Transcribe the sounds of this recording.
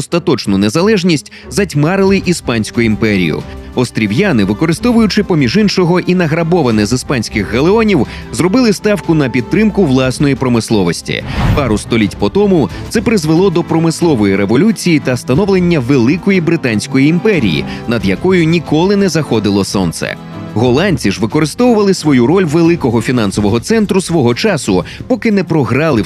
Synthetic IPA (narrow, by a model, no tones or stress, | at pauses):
ɔst̪ɐt̪ɔt͡ʃnʊnezɐlˠɛʒnʲisʲtʲ | zɐtʲmɑɾɪlˠɪʔispɑnʲsʲkʊjʊimpɛɾʲḭjʊ̰ɔst̪ɾʲiwjanɪʋɪkɔɾɪst̪ɔʋʊjʊt͡ʃɪpɔmʲiʒinʃɔɦɔʔinɐɦɾɐbɔʋɐnɪzispɑnʲsʲkɪxːɐlˠeɔnʲiw | zrɔbɪlˠɪst̪ɑwkʊnɐpʲid̪̚ɾɪmkʊʋlˠɑsnɔjipɾɔmɪslˠɔʋɔsʲtʲḭpɑɾʊst̪ɔlʲitʲpɔt̪ɔmʊt̪sɛpɾɪzʋelˠɔd̪ɔpɾɔmɪslˠɔʋɔjiɾeʋɔlʲut͡sʲijit̪ɐst̪ɐnɔʋlˠenʲːɐʋelˠɪkɔjibɾɪt̪anʲsʲkɔjiːmpɛɾʲijḭnɐd̪jɐkɔjʊnʲikɔlˠɪnɛzɐxɔd̪ɪlˠɔsɔ̰nt̪sɛ̰ | ɣɔlˠanʲt͡sʲiʒʋɪkɔɾɪst̪ɔʋʊʋɐlˠɪsʋɔjuɾɔlʲʋelˠɪkɔɦɔfʲinɑnsɔʋɔɦɔt̪sɛnt̪ɾʊsʋɔɦɔt͡ʃɑsʊpɔkɪnɛpɾɔɦɾɑlˠɪ